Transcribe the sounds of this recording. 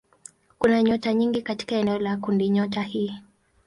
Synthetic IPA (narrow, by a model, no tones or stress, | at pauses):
kunaɲɔtaɲiŋɡikati̥kaɛnɛɔlakundiɲɔtahiː